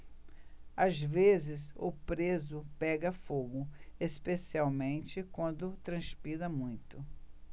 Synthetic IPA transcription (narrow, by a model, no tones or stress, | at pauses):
azvezɪzʊpɾezʊpɛɡɐfoɡʊespesiawmẽnt͡ʃɪkwɐ̃nd̪ʊt̪ɾɐ̃spiɾɐmũj̃t̪ʊ